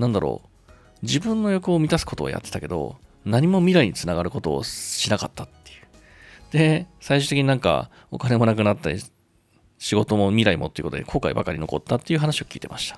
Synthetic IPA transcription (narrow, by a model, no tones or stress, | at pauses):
nãnd̪aɾo̞̰ː | d͡ʑibɯ̟̃nːo̞jo̞kɯ̟omʲit̪asɨ̥ko̞t̪o̞a̰ja̰t̪ːet̪ake̞d̪o̞̰ | naɲ̟imo̞mʲiɾaiɲ̟it͡sɨnaɡaɾɯ̟ko̞t̪o̞̰ːɕinaka̰t̪ːat̪ːe̞jɯ̟ | d̪̥e̞saiɕɨt̪ekʲiɲ̟inãŋka̰ | o̞̰kane̞mo̞nak̬ɯ̟nat̪ːa | ɕiɡo̞t̪o̞mo̞mʲiɾaimot̪ejɯkot̪od̪ekʰo̞ːkaḭbakaɾʲino̞̰ko̞̰t̪ːat̪ːe̞jɯ̟ɦanaɕiokʲḭːt̪e̞mʔaɕi̥t̪ḁ